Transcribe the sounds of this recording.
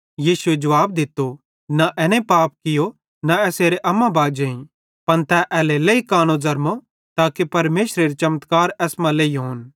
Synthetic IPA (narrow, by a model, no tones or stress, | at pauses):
jiːsʊed͡ʒɐʋaːb̚d̪ɪt̪ːo | naʔɛːnẽpaːp̚kɪjo | naɛːseːɾeʔɐmãbaːd͡ʒeːĩ | pɐnt̪ɛʔɛːleleikaːñozɐɾmo | t̪aːkepɐɾmeːʃɾeɾet͡ʃɐmət̪kaːɾɛːsmãleːiɦoːn